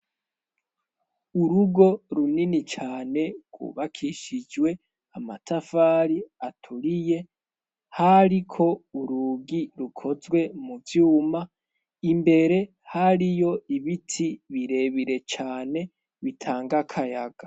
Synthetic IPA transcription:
uɾuɡo̞ɾuninit͡ʃaːne̞ɡ̥wṵβakʰiʃid͡ʒwe̞ | amatʰafaːɾiatʰuɾije̞ | haɾikʰo̞uɾuɡiɾukʰo̞zɡwe̞muvjuːma | imbe̞ɾe̞ | haɾijo̞iβitʰiβiɾe̞βiɾe̞t͡ʃaːne̞ | βitʰaːŋɡakʰajaɡ̥a

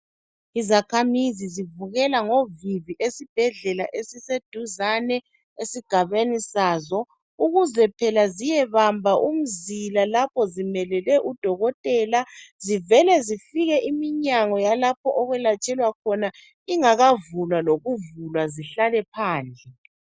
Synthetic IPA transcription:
izakʰamizizivuɣɛlaŋoviviʔesib̥ʱɛɮɛlaʔesised̥ʱuzanɛ | esiɡ̥ʱaβenisaːzɔ | uɣuzɛpʰɛlazijɛβambʱaʔum̩zilalapʰɔzimɛlɛlɛʔud̥ʱɔɣɔtʼɛːlazivɛlɛzifiɣɛʔimiɲaŋɔjalap̚ʰɔʔɔɣwɛlat͡ʃʰʼɛlwakʰɔna | iŋaɣavulwaloɣuvulwaziɬalɛpʰaːnd͡ɮʱɛ

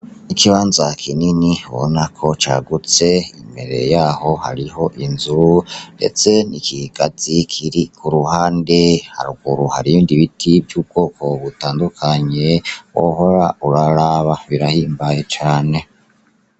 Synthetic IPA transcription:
nikʰiβaːnzakʰininihβo̞̰nakʰo̞t͡ʃa̰ːɡut͡se̞ḭmbe̞̰ɾe̞̰jaːho̞ha̰ɾiho̞ʔinzuɾunde̞̰t͡se̞nikiɡ̥az̥ikʰiɾikʰuɾuhaːnde̞ha̰ɾuɡuɾuhaɾiiːndiβitʰibjuːb̚ɡo̞ːkʰo̞βutaːndukʰaɲe̞wo̰ɦo̞ɾauɾaɾaβaβiɾahiːmbaje̞t͡ʃaːne̞

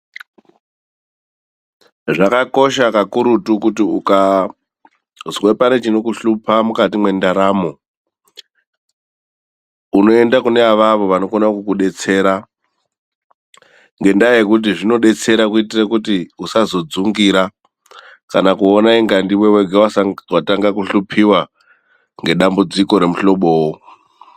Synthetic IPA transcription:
ʐakako̞ʃakakuɾutukutiuka | zwe̞pane̞t͡ʃino̞kuɬupamukatimwe̞ndaɾaːmo̞ | uno̞e̞ndakuneaʋaʋo̞ʋano̞konakukuɗe̞t͡se̞ːɾa | ŋɡe̞ndajekut̬iʐino̞ɗe̞t͡se̞ɾakuitirakutiusazo̞d͡zuŋɡiɾa | kanakuonaiŋɡandiweweɡʱawawataŋɡakuɬupʰiwa | ŋɡe̞ɗambud͡ziko̞ɾe̞muɬo̞ɓo̞wo

